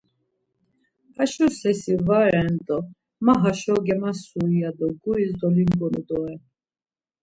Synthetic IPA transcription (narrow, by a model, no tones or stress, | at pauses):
kaʃɔsɛsivaɾɛnt̪ʼɔ | maɦaʃɔɡɛmasuijad̪ɔɡuizd̪ɔlimɡɔnud̪ɔɛ